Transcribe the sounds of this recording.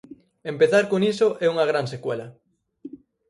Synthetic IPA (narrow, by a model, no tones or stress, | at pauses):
empeθaɾkoŋisoʔɛuŋɐɣ̞ɾansekwḛlɐ